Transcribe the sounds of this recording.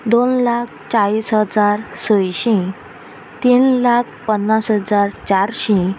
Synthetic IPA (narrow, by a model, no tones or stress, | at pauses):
d̪onlak̚ʰt͡ɕaɭisɦəd͡zaɾsəjɕĩ | t̪inlak̚ʰpənːasɦəd͡zaɾt͡ɕaɾɕĩ